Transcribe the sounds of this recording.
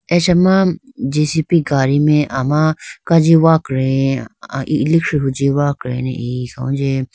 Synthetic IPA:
et͡ʃɐmã | d͡ʒisipiɡaːɾimẽʔamãkad͡ʒiʋaːkɾe | ilikʂɦud͡ʒiwaːkɾḛnḛisõ̰ũd͡ʒe

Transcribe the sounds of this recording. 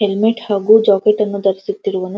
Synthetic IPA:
ɦelmiʈhaːɡud͡ʒɔːkeʈɐnːud̪ɐɾisit̪ːiɾuʋɐnu

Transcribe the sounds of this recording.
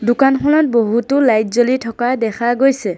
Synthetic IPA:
dʊkankʰɔlɔt̚boɦutʊlajtzolitʰɔkadɛkʰaɡojsɛ

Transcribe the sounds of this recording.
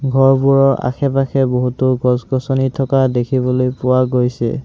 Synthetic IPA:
ɡʱɔɹbuɹɔʔa̰kʰɛpaxʰɛboɦutʊɡɔzɡɔsɔnitʰɔkadekʰibɔlojpʊwaɡojsɛ̰

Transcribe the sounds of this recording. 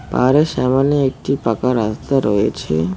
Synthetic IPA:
pa̰ɾesamanjəek̚ʈipakaɾast̪aɾɔet͡ʃʰḛ

